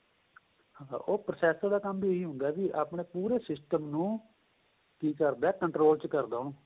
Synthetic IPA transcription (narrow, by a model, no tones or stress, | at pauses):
hãːʔoːpɾəsɛːst̪ãːd̪aːkəmbiːeɦiːɦʊ̃nd̪aːbiːʔa̰ːpɳeːpuːɾeːsɪsʈəmnũː | kiːkəɾd̪aɛːkəɳʈɾoːlt͡ʃkəɾd̪aːnõː